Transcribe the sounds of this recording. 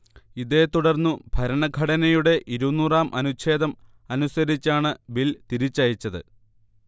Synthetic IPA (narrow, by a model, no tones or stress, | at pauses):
iðe̞ːt̪uɽɐrnːubʱɐɾɐɳɐɡʱɐɽɐnɐjuɽe̞ʔiɾunːuːraːmʔɐnut͡ɕʰe̞ːðɐm | ɐnusɐɾit͡ɕːaːɳɨbilt̪iɾit͡ɕːaːjit͡ɕːɐðɨ̰